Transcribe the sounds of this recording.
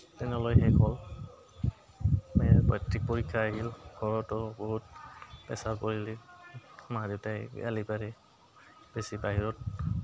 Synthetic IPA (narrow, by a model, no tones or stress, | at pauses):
tɛnɛlɔjxɛkʰɔl | mɛbɔ̰jtɹik̚poɹikʰːaaɡilɡʱɔɹɔtɔbɔɦut̚pɛ̰sapoɹili | maditaj̰a̰lipaɹɛ | b̥esibaɦiɹɔt̚